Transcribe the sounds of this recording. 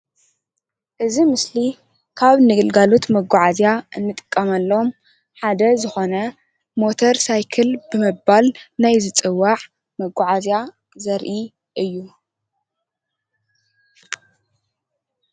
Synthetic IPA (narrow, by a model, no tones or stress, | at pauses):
ʔɨzimɨsli | kʰaβnɨɡɨlɡalot̪mɐɡʷːɔʕazjaɨnːɨt̪ʼɨ̥kʼːɐmɐlːo̞m | ħad̪ɐzɨxo̞nɐ | mo̞t̪ʰoɾsajkʰɨlbɨmɨbalnajzɨt͡sʼɨwːaʕ | mɐɡːɔʕazja | zɐɾʔi | ʔɨjːu